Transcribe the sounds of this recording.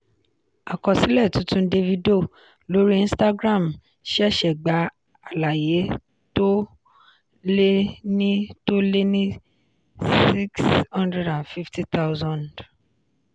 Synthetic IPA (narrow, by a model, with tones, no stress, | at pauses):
a˨kɔ̃˨si˨˦lɛ˦˨tũ˨˦tũ˦de˦vi˦do˦˨ | lo˨˦ɾi˦ĩ˦sta˦ɡɾa˦˨m | ʃʃɛ˨ɡ͡ba˨˦ | a˨la˨je˨˦ | to˦ | le˦nĩ˦to˦le˦nĩ˦ | si˦kshɔ̃˦ndɾɛ˦dã˨nfi˦fti˦t̪a˦ʊzɔ̃˦˨nd